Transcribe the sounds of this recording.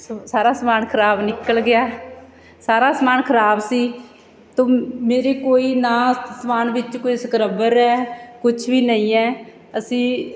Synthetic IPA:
saːɾaːsmaːnkʰəɾaːbnɪkəlɡɪaː | saːɾaːsəmaːnkʰəɾaːbsiː | t̪õːmeːɾeːkoːiːnãːsəmaːnʋɪt͡ʃkoːisəkɾəbəɾɛːkʊt͡ʃʰʋiːnəĩːɛː | əsĩː

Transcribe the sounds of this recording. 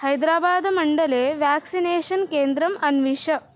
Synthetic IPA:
hɐjd̪ɾaːbaːd̪ɐmɐɳɖɐleːʋjaːksineːʃɐnkeːnd̪ɾɐmɐnʋiʂɐ

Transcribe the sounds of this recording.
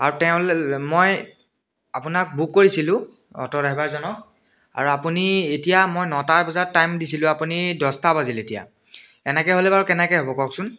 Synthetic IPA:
aɹutɛʊ̃lmoj | apunak̚bukːoɹisilʊ̃ | ɔ̰tɔɹaɦibaɹzɔnɔk̚ | a̰ɹuapunietijamojnɔtaɹbɔzatːajmdisilʊ̃apunidɔstabaziletija̰ | ɛnɛkɛɦolɛbaɹukɛnɛkɛɦobɔkɔksʊn

